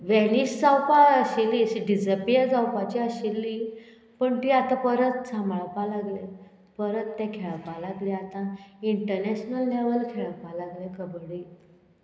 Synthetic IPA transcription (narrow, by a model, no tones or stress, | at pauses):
ʋɛniɕd͡zawpaəɕilːiɕiɖid͡zəpijad͡zawpat͡ɕiaɕilːiː | pəɳt̪iːat̪ãpəɾət̪samɭpalaɡle | pəɾət̪ːɛ̃kʰɛɭpalaɡliat̪ãiɳʈəɾnɛɕnəlneʋəlkʰɛɭpalaɡlekʰəbɽiː